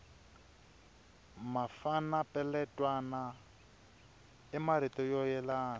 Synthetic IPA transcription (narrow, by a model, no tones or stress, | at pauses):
mafanapʼɛlɛtʼwana | ɛmaɾitʼɔjɔjɛlaːna